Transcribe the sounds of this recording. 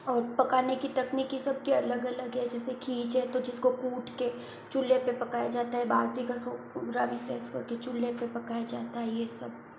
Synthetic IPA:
ɔːɾpɐkaːnekit̪ɐkniːkisɐb̚keɐləɡɐləɡɦɛd͡ʒɛːsekʰiːt͡ʃɛt̪od͡ʒɪskokuːʈʰke | t͡ʃʊlːepepɐkaːjad͡ʒaːt̪aɦɛbaːd̪d͡ʒikaso | ɡɾaːʋɪseːskɐɾket͡ʃʊlːepepɐkaːjad͡ʒaːt̪aɦɛjesɐb̚

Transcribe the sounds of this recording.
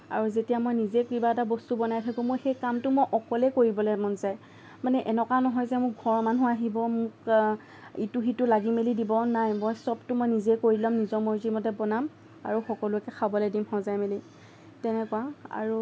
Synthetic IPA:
a̰ɹuzetijamojnizekɹibatabɔstubɔnajtʰakʊ̃moɹxejkamtʊmojʔɔkɔlɛkoɹibɔlɛmɔnzaj | manɛʔɛnɔkanɔɦɔjzɛmʊk̚ɡʱɔɹmanuaɦibɔmʊk | ituxitʊlaɡimelidibɔnajmojsɔbtʊmɔjnizɛkoɹilamnizɔmɔɹzimɔdɛbɔnam | a̰ɹuxɔkɔlʊɛkɛxʰabɔlɛdimhɔ̃zajmeli | tɛnɛkwaa̰ɹu

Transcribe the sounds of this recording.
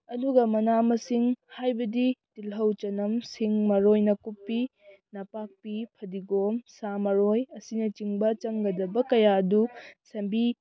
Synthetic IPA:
ɐduɡɐmɐnamɐsiŋhajbɐditilɦɐwt͡ʃɐnɐmsiŋmɐɾojnɐkupːi | nɐpak̚pipʰɐdiɡomsamɐɾojɐsinɐt͡ʃiŋbɐt͡ʃɐŋɡɐdɐbɐkɐjaɐdusɐmbi

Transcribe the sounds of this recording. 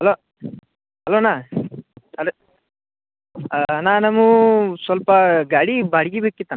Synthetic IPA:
hɐloː | hɐloːnaː | ɐl | naːnɐmusʋɐlpɐɡaːɽibaːɽiɡibeːkːit̪ːɐn

